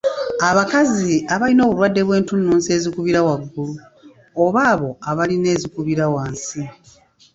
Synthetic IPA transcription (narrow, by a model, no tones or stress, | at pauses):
aβakaziaβalino̞ːβulwadːe̞βwe̞ːntunːuːnse̞ːzikuβiɾawaɡːulu | oβaːβo̞aβaline̞ːzikuβiɾawaːnsi